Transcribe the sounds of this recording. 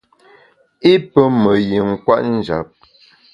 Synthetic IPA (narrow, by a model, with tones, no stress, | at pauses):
i˦pə˦mə˨ji˨ŋ̩˨kwa̰˦ʔn̩˦d͡ʒa̰˨˦p̚